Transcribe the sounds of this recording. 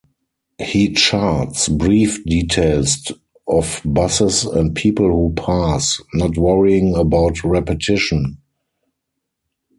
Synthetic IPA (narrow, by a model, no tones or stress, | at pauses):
hiːt͡ʃatsbɹiːfdiːtʰeɪlst | ɔfbasəsɛ̰̃nt̚pʰiːpəl̩huːpʰasnɔtwʌɹiɪ̃ŋəbaʊtɹɛpətʰɪʃə̃n